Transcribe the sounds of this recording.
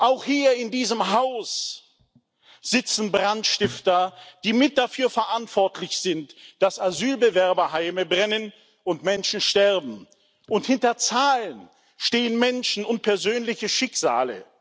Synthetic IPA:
ʔaʊxhiːɐɪndiːzəmɦaʊs | z̥ɪt͡sn̩bʁantʃtɪftɐd̥iːmɪt̚d̥afyːɐfɛɐʔantv̥ɔɐtʰlɪçz̥ɪntd̥asazyːlbəvɛɐbɐɦaɪməbʁɛnən | ʔʊntmɛnʃn̩ʃtɛɐbm̩ | ʔʊnthɪntɐt͡saːlən | ʃteːənmɛnʃn̩ʊnt̚pʰɛɐzøːnlɪçəʃɪkz̥a̰ːlə̰

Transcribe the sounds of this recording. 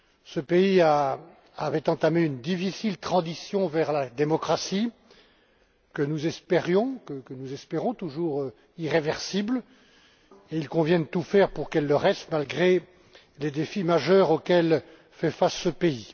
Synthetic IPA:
səpeia | avɛt̪ɑ̃t̪ameynd̪ifisilt̪χɑ̃zisjɔ̃vɛʁlad̪emɔkχasi | kənuzɛspeʁjɔ̃kəkənuzɛspeʁɔ̃t̪uʒuːʁø | iʁevɛʁsibl | eilkɔ̃vjɛ̃d̪ət̪ufɛʁpuʁkɛlːəʁɛst̪malɡʁe | led̪efimaʒœʁokʲɛl | fɛfasːəpei

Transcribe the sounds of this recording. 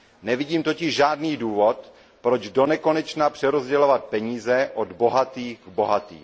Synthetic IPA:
nɛvɪɟiːmt̪ocɪʒʒaːdniːduːvo̞t̪ | pɾo̞d͡ʒdo̞nɛko̞nɛt͡ʃnapr̥ɛɾozɟɛlovat̪̚pɛɲiːzɛʔod̪bo̞ɦat̪iːɣɡbo̞ɦat̪ḭː

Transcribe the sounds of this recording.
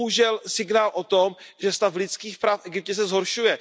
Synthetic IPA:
ɦuʒɛlsɪɡnaːlʔot̪omʒɛst̪aflɪskiːxpɾafʔɛɡɪp̚cɛs̬ɛzɦoɾʃujɛ

